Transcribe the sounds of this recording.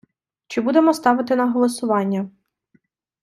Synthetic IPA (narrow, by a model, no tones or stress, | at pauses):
t͡ʃɪbud̪emɔst̪ɑʋɪt̪ɪnɐɦɔlˠɔsʊʋɑnʲːɐ